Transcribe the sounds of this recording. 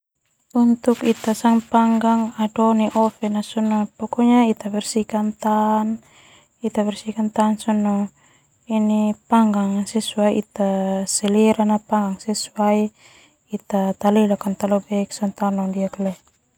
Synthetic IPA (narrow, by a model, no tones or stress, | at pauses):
unt̪ukit̪asaŋpaŋɡaŋadɔniʔɔfɛnasɔnːɔpɔkɔɲait̪abɛrsikant̪an | it̪aβɛrsikant̪ansɔnːɔ | inipaŋɡaŋsɛsuaiʔit̪asɛlɛɾanapaŋɡaŋsɛsuaiː | t̪at̪alɛlakant̪alɔbɛksant̪anɔndiaklɛ